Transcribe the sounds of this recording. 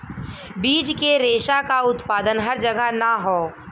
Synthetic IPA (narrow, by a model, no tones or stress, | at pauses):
biːd͡ʒkeɾeːʃakaʊt̪paːd̪ənɦɐɾd͡ʒɐɡʱənaɦoː